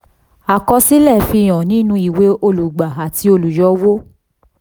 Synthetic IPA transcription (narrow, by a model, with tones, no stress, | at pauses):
a˨kɔ˧si˦lɛ˦˨fi˧˨j̃ɔ̃˨nĩ˦nũ˧˦i˨we˨˦ʔo˧lu˨ɡ͡ba˨a˨ti˧˦o˧lu˨jɔ˨˦wo˦